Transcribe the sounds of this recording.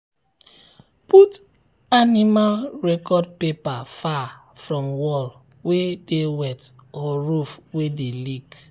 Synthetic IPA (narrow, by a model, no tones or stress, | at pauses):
put | animalɹɛkɔd̚pepafa | fɹɔ̃mwɔl | wedewɛt | ɔɹufwedelik